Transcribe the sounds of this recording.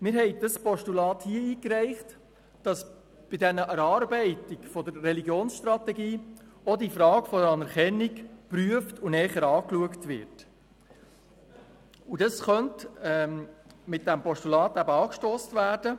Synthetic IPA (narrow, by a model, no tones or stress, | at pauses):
mɪɾɦɛɪd̥ɑspɔʃtulɑːthiəiːkɾɛɪχt | d̥ɑs | b̥idɛnəʔæɾɑːɾbɛɪtikfɔd̪əɾːɛliɡjoːnsʃtɾɑtɛɡiːɔdifɾɑːɡfɔdəɾɑnɛɾkɛnːikpɾyəftunɛːχəɾɑːkluəktʋɪ̰ɾt | udɑsχœntɛmɪt̚dæmpɔʃtulɑːtæbəɑːkʃtoːstvæːɾd̥ə